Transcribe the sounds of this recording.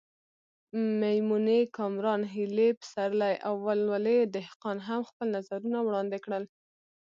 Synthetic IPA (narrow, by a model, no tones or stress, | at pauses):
majmunekɑmɾɑnɦilepə̥saɾlajʔawːalwaled̪ɪhqɑnɦamxpəlnazaɾunawɽɑnd̪ɪkɽəl